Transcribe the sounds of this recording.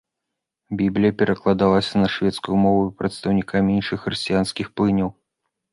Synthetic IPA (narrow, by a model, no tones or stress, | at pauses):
bʲiblʲijɐpʲɛɾɐklˠad̪alˠɐsʲɐnɐʂvʲɛt̪skujumɔvuipɾɐt̪st̪ɐwnʲikamʲinʂɨxːɾɨsʲt͡sʲijanskʲixplˠɨnʲɐw